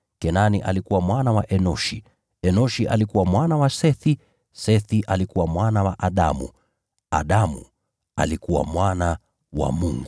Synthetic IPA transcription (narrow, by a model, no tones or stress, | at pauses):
kɛnaniʔa̰likuwamwanawaʔɛnɔʃi | ɛnɔʃiʔa̰likuwamwanawasɛθi | sɛθiʔalikuwamwanawaʔaɗa̰mṵ | a̰ɗamṵ | a̰likuwa̰mwana | wa̰muŋɡu